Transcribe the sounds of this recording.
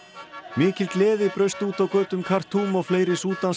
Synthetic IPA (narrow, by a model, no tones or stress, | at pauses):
mɪːcɪlk̪lɛːðɪpɾœɥst̪uːt̪awkœɥt̪ʏmkʰar̥t̪ʰːuːmɔɣfleːjɾɪsuːt̪an